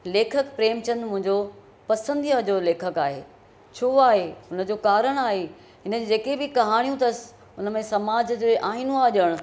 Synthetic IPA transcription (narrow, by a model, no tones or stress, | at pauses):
leːkʰəkpɾeːmt͡ɕɐ̃nd̪mʊ̃ɦɪ̃ɲd͡ʑo | pɐsə̃nd̪iəd͡ʑoleːkʰəkaːɦḛː | t͡ɕʰoːaːɦeʊnə̆d͡ʑoːkaːɾəɽ̃aːɦe | ɦɪnə̆d͡ʑd͡ʑeːkebɪkɐɦaːɽ̃ijũt̪ɐsɪ̥ | ʊnə̆mẽsɐmaːd͡ʑd͡ʑoʔaːɦinũaːʄəɽ̃